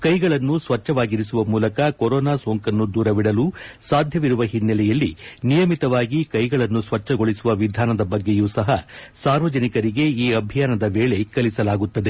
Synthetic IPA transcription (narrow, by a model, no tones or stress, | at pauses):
kɐjɡɐɭɐnːusʋɐt͡ʃːɐʋaːɡiɾisuʋɐmuːlɐkɐkoɾɔːnaːsoːŋkɐnːud̪uːɾɐʋiɽɐluːsaːd̪ʱjɐʋiɾuʋɐɦinːɐlɛjɐlːinijɐmit̪ɐʋaːɡikɐjɡɐɭɐnːusʋɐt͡ʃːɐɡoɭisuʋɐʋid̪ʱaːnɐd̪ɐbɐɡːejuːsɐɦɐsaːɾʋɐd͡ʒɐnikɐɾiɡe̞iːɐbʱijaːnɐd̪ɐʋeːɭe̞kɐlisɐlaːɡut̪ːɐd̪e̞